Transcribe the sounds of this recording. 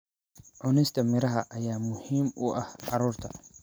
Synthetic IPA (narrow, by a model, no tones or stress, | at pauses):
ʕʊnɛjst̪ʰɐmɪɾɐɦɐʔɐjaːmʊhiːmʊʔɐhʕɑɾuːrt̪ʰɐ̰